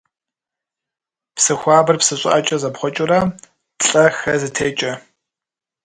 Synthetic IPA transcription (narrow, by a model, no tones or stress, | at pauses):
psɨxʷɑːbɨrpsɨɕʷʼɪ̰ʔɐt͡ʃʼɐzɐpχʷɔt͡ʃʼɪrɐ | tɬʼɐxɐzɨtʰeːt͡ʃʼɐ